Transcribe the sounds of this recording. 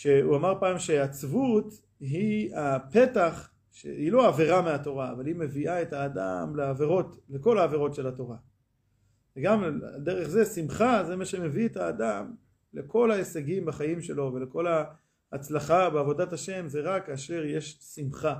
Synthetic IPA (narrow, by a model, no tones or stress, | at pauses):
ʃe̞uamaʁpaːmʃe̞at͡svut̪ | ɦiape̞t̪aχ | ʃḛilo̞aveʁameato̞ʁa̰ːvalime̞viaethaːda̰mleave̞ʁo̞t̪le̞ko̞laːve̞ʁo̞tʃe̞lato̞ʁa | veɡam̰d̪e̞ʁeχze̞simχazemaʃe̞me̞viet̪aːdam | le̞ko̞laeseɡimbaχajimʃe̞lo̞ve̞leko̞laː | t͡slaχabeavo̞dataʃe̞mzeʁakaʃe̞ʁje̞ʃsimχa